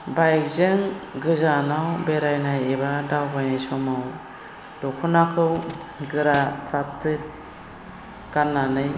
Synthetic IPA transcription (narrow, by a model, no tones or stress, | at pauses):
bajk̚zɯŋɡɯzanawbeɾajnajebadawbajajsɔmaw | dɔkʰɔnakʰɯw | ɡɯɾatʰap̚tɾɯt̚ | ɡ̥anːanɯj